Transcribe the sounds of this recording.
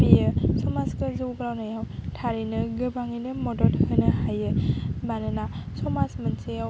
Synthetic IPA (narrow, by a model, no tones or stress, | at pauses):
bijɯsɔmaskɯzɯwɡɾawnajawtʰaɾinɯɡɯbaŋijnɯmɔdɔthɯnɯhajɯbanɯnasɔmasmɯnsejaw